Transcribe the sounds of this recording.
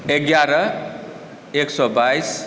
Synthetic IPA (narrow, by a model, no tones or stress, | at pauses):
eɡjaɾʌ | eksɔbajs